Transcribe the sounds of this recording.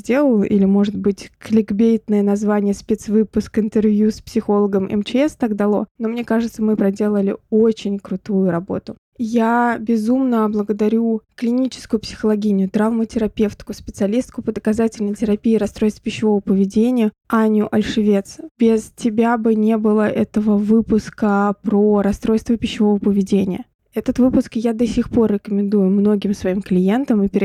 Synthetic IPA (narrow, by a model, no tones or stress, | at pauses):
zʲdʲe̞lˠəlˠʔḭlʲɪmo̞ʐɨd̪̚bɨtʲklʲɪɡbʲejt̪nɨjənɐzvanʲɪjəspʲet̪svɨpʊskɪnt̪ɨrvʲjuspsʲɪxo̞lˠəɡəmɛ̰mt͡ɕɪɛst̪aɡd̪ɐlˠo̞̰no̞mnʲe̞kaʐɨt̪səmɨpɾɐdʲe̞lˠəlʲɪ̰o̞t͡ɕɪnʲkɾʊt̪ujʊɾɐbo̞̰t̪ʊ | jabʲɪzumnəblˠəɡəd̪ɐɾʲuklʲɪnʲit͡ɕɪ̥skʊjʊpsʲɪ̥xəlˠɐɡʲinʲɪjʊt̪ɾavmətʲɪɾɐpʲe̞ft̪ʲkʊspʲɪt̪sɨɐlʲist̪̚kʊpəd̪əkɐzatʲɪlʲnəjtʲɪɾɐpʲiːɾɐst̪ɾo̞jst̪və̥pʲɪɕːɪvo̞vəpəvʲɪdʲenʲɪjə | anʲʊʔɐlʲʂɨvʲe̞t̪sbʲɪztʲɪbʲabɨnʲebɨlˠəʔɛt̪əvəvɨpʊskəpɾoɾɐst̪ɾo̞jst̪vəpʲɪɕːɪvo̞vəpəvʲɪdʲenʲɪjə | ɛt̪ət̪vɨpʊskjad̪ɐsʲixpo̞rːʲɪkəmʲɪnd̪ujʊmno̞ɡʲɪmsvɐimklʲɪje̞nt̪əmɨpʲɪɾʲ